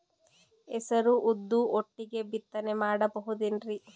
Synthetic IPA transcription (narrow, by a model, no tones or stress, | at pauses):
esɐɾuʔud̪ːuoʈːiɡe̞bit̪ːɐnemaːɽɐbɐɦud̪inɾi